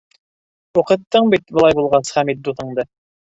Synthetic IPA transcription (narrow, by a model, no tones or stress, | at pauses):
oqɤ̆t̪ːɤɴbit̪bəlˠɑjbulˠʁɑsχæmit̪̚d̪uθɤ̆ɴd̪ɤ